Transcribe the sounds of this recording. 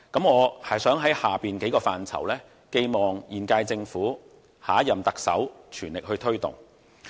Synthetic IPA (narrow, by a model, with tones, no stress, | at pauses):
kɐ˨˥mŋɔː˨˧hɐ˨˩jsœː˨˥ŋɦɐ˨˥jhaː˨˩piː˨nke˨˥jkɔː˧faː˨nt͡sʰɐ̰˨˩wlɛː˥ | ke˧jmɔː˨˩ŋjiː˨˩nkaː˧jt͡sɪ˧ŋfuː˨˥ | haː˨˥jɐ˨mt̪ɐ˨k̚sɐ̰˨˥wt͡ʃʰyː˨˩nlɪ˨k̚hɵ˧ɥt̪ʰɵ˥ɥt̪ʊ̰˨˩ŋ